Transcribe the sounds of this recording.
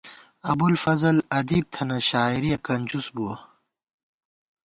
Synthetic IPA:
ɐbulfɐzɐlɐd̪iːb̚t̪ʰɐnɐɕaːiɾijɐkɐnʲd͡ʑusbuwɐ

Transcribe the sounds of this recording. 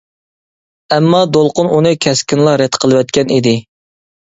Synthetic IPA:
ɛmːɑd̪olˠqʊnʔunɨkʲʰɛskʲɪnlˠɑɾɛt̪qʰəlˠɨwɛt̪̚kʲɛnid̪ɪ

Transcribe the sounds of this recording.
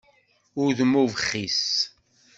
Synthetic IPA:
ʊɾðmuvəχːis

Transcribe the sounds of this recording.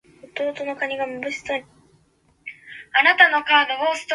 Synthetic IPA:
ot̪o̞ːt̪o̞no̞kaɲ̟iɡamɯbɯ̟ɕi̥so | anat̪ano̞kaːd̪oɡoːsɨ̥t̪

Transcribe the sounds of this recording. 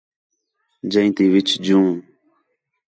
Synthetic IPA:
d͡ʒə̃ĩt̪ĩːʋɪt͡ʃʰd͡ʒũː

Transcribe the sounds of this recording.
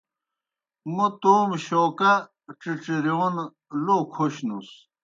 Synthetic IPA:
mut̪oːmɕoːkɐ | ʈ͡ʂiʈ͡ʂiɾion | lokʰoɕnus

